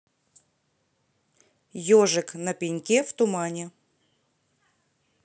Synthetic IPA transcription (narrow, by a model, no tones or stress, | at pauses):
joʐɨknɐpʲɪnʲkʲeft̪ʊmanʲɪ